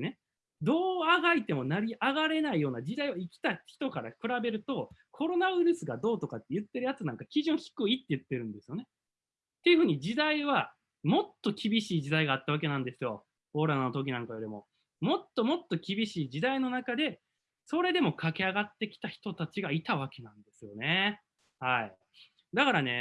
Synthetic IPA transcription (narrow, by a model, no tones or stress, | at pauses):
ne̞ | d̪o̞ːaɡait̪e̞mo̞naɾʲiʔaɡaɾe̞naijo̞ːnad͡ʑid̪aiβaikʲi̥t̪açi̥t̪o̞kaɾa̰kɯ̟ɾabe̞ɾɯ̟t̪o̞kʰo̞ɾo̞naɯɾɯ̟sɨɡad̪o̞ːt̪o̞kat̪ːe̞jɯ̟t̪ːe̞ɾɯjat͡sɨnãŋkakʲiʑɨ̃ɰ̃çi̥kɯ̟it̪ːe̞jɯ̟t̪ːe̞ɾɯ̟̃nd̪e̞sɨjo̞ne̞ | t̪ːejɯ̟ɸɯ̟ːɲ̟id͡ʑid̪aiβ̞a | mo̞t̪ːo̞kʲibʲiɕiːd͡ʑid̪aiɡaːt̪ːaβ̞ake̞nãnd̪e̞sɨjo̞ | o̞ːɾanːo̞t̪o̞k̬ʲinãŋkajoɾʲimo̞ | mo̞t̪ːo̞mo̞t̪ːo̞kʲibʲiɕiːd͡ʑid̪aino̞nakad̪e̞ | so̞ɾe̞d̪e̞mo̞kʰake̞aɡat̪ːe̞kʲi̥t̪açi̥t̪o̞t̪at͡ɕiɡait̪aβ̞ake̞nãnd̪e̞sɨjo̞ne̞ | hai | d̪akaɾane̞